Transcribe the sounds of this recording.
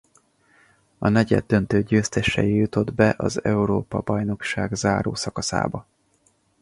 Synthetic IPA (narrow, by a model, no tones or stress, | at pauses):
ɒnɛɟɛ̰d̪ːø̞nt̪øːɟøːst̪ɛʃɛ̰jijut̪o̞d̪bɛʔɒzɛuɾoːpɒbɒjno̞kʃaːɡzaːɾo̰ːsɒkɒsa̰ːbɒ